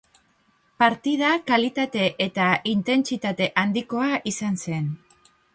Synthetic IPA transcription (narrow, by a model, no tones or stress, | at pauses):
paɾt̪ið̞akalit̪at̪e̞ʔet̪aint̪e̞nt͡sit̪at̪e̞ʔand̪iko̞aʔisanse̞n